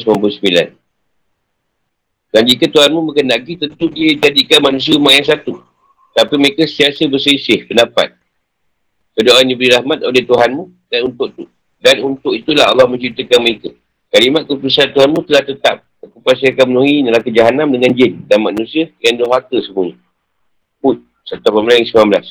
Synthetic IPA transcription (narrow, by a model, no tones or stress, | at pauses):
səmampusəbila̰n | dand͡ʒikət̪uhanmũməkənaɡit̪ənt̪udiəd͡ʒadikanmanũs̬iəumaʔjaŋsat̪u | t̪apiməekasiasəbəsisɪhpəndapa̰t̪̚ | kədoʔanibɾiɾahmat̪̚oleht̪uɦanmũ | danunt̪ʊʔit̪u | danunt̪ʊʔit̪ulaɦɑ̰lːɑhmə̃ɲt͡ʃɾit̪əkanməekə | kalimat̪̚kəpisant̪uɦanmũt̪əlaht̪ət̪a̰p̚akupasiakamənõiɲəlakəd͡ʒaɦanamdəŋand͡ʒɪndanmanũsiəjaŋdoɦat̪əsəmuəɲə | put̪̚ | sat̪apambəlajaŋsəmambəlas